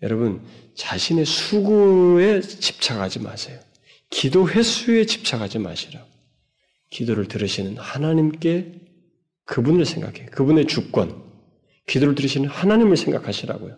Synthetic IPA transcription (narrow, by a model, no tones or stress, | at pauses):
jʌ̰ɾʌbɯn | t͡ɕaɕʰine̞sʰuɡue̞t͡ɕi̥p̚t͡ɕʰaɡad͡ʑima̰sʰe̞jo | kidoɸe̞sʰue̞t͡ɕi̥p̚t͡ɕʰaɡad͡ʑima̰ɕʰiɾaɡ̥o | kidoɾɯɭtɯɾɯɕʰinɯnhanaɲimk͈e̞ | kɯbunɯɭsʰe̞ŋɡa̰kʰe̞jokɯbune̞t͡ɕuk̚k͈wʌ̰n | kidoɾɯɭtɯɾɯɕʰinɯnhanaɲimɯɭsʰeŋɡakʰaɕʰiɾa̰ɡo̰jo